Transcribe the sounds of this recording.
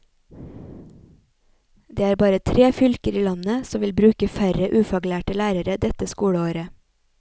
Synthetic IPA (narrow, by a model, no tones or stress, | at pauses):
d̪eːæːɾbɑːɾət̪ʰɾeːfʏlkəɾiːlɑnəsɔʋɪlbɾʉːkəfæɾəʔʉːfɑɡlæːʈəlæːɾəɾəd̪ɛt̪əskuːɽəoːɾə